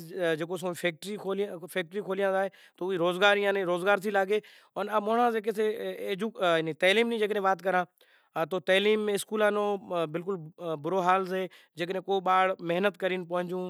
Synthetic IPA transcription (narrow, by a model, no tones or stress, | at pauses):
d͡ʒeːk̬oːs̬õːpʰeːk̚ʈɾiːkʰoːljãpʰeːk̚ʈɾiːkʰoːlijãːzaːeː | t̪oːiːɾoːzɡaːɾijãːnẽɾoːzɡaːɾsʰiːlaːɡeː | ɔːnamoːɳãːzeːk̬eseːd͡ʒuːnĩːt̪ɛːliːmnĩːd͡ʒeːk̬nẽːʋaːt̪kəɾãː | t̪oːt̪əːliːmːẽːskuːlãːnõːbɪlk̬ʊlbʊɾoːɦaːlzeː | d͡ʒeːknẽːkoːɓaːɽmɪɦnət̪kəɾiːnpəɦə̃ɲd͡ʒũː